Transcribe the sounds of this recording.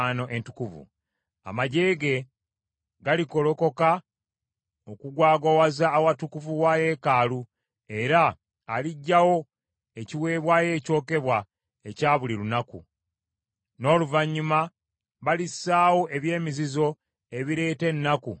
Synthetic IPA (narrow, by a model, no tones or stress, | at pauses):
no̞ʔe̞ntukuvṵ | a̰maɟe̞ːɡe̞ | ɡaliko̞lo̞ko̞ka | okuɡwaːɡo̞wazaːwatukuvuwaje̞ːkaːlu | e̞ɾaː | liɟːawo̞ | e̞ciwe̞ːβwaːje̞ːco̞ːke̞βwa | e̞caːβulilunakṵ | no̞ːluvaɲːuma | βalisːaːwo̞ʔe̞βje̞ːmizizo̞ | e̞βiɾe̞ːte̞nːakṵ